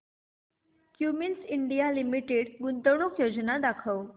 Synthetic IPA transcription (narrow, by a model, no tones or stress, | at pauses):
kjuminsiɳɖijalimiʈeɽɡunt̪əwɳokjod͡znad̪akʰəw